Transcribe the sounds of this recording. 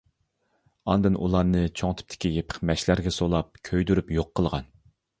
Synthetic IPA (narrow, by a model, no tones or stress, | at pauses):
ɑ̰nd̪ɨnʔṵlˠɑɾnɨt͡ʃʰoŋt̪ʰɪ̥p̚t̪ʰɪ̥kʲijepʰɪ̥qmɛʃlæɾɡʲɛsolˠɑp̚kʲʰøjd̪yɾypjoqʰːəlˠʁɑn